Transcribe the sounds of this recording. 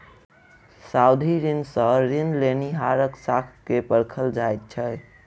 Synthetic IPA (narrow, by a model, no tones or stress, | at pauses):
saud̪ʱiɾinsə̃ɾinleniɦaɾəksakʰkepəɾkʰəld͡ʒajt̪̚t͡ʃʰɛ